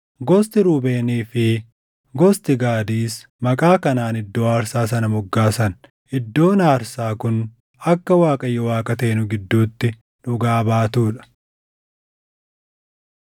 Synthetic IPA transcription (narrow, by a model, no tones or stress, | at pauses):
ɡɔst̪ɪɾuːbe̞ːniːfɪ | ɡɔst̪ɪɡaːd̪iːs | mɐkʼaːkɐnaːnɪd̪ːo̞ːaːɾsaːs̬ɐnɐmʊɡːaːsɐn | ʔɪd̪ːo̞ːnaːɾsaːkʊn | ɐkːɐwaːkʼɐjːɛwaːkʼɐt̪e̞ːnʊɡɪd̪ːuːt̪ːɪ | ᶑʊɡaːbaːt̪uːᶑɐ̥